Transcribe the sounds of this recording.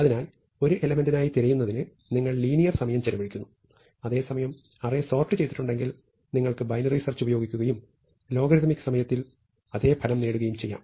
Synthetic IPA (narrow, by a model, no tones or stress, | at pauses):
ɐðinaːl | o̞ɾuʔe̞lɐmendinaːjit̪iɾɐjunːɐðinɨ | niŋːɐɭliːnijɐrsɐmɐjɐmt͡ɕelɐbɐɽikʲːunːu | ɐðe̞ːsɐmɐjɐm | ɐreso̞ːrʈːɨt͡ɕejt̪ːi̥ʈːuɳɖe̞ŋɡil | niŋːɐɭkɨbɐjnɐriːsɐrt͡ɕːubɐjo̞ːɡikʲːuɣɐjum | lo̞ːɡɐɾit̪mikːɨ̥sɐmɐjɐt̪ːil | ɐðe̞ːpʰɐlɐmneːɽuɣɐjumt͡ɕe̞jːa̰ːm